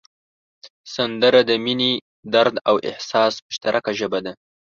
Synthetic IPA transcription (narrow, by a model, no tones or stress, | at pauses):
sand̪əɾad̪əmine | d̪aɾd̪awʔɪ̰hsɑsmʊʃt̪aɾʔakaʒəbad̪a